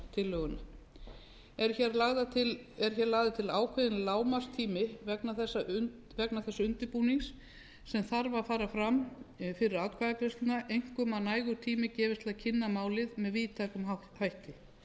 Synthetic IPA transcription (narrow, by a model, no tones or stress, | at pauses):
t̪ʰɪlːœːɣʏna | ɛɾ̥çɛɾlaɣðat̪ʰɪɛɾ̥çɛːɾlaɣðɪt̪ʰɪlaːwkʰvɛðɪnlaːwmast̪ʰiːmɪvɛknaθɛsːa | vɛknaθɛsːaʏnt̪ɪpuːniŋsː | ɛmθaɾvafaːɾafɾamfɪɾɪɾaːt̪̚kʰvaːðakɾɛst̪ɪnaʔejŋ̥kʏmanaːjɣʏ̥t̪ʰiːmɪcɛːvɪst̪lacʰɪnːamaːwlɪðmɛðviːt̪ʰaːkʏma | hajht̪ɪ